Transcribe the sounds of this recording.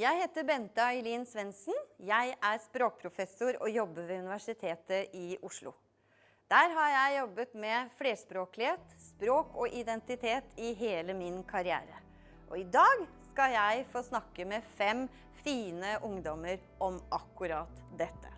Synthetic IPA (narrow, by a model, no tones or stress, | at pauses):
jæɪheːt̪əbɛnt̪əɑɪliːnsʋɛnsn̩jæɪʔæɾspɾoːk̚pʰɾʊfɛsʊɾɔ̰jɔbːəʋɛʉnɪʋæʂɪt̪ʰeːt̪əʔɪʔʊʂlʊ̰ | d̪̥æːɾɦɑɾjæɪjɔbːət̪mɛfleːspɾoːklɪheːt̪spɾoːkʰɔʔɪd̪ɛnt̪ɪt̪ʰeːt̪ʰɪɦeːləmɪnkʰɑɾɪæ̰ːɾə | ʔɔɪd̪ɑːɡskɑljæɪfoːsnɑkːəmɛfɛm | fiːnəʔʊŋd̪ɔməɾ | ʔɔmʔɑkːʉɾɑt̪d̪ɛt̪ːə̰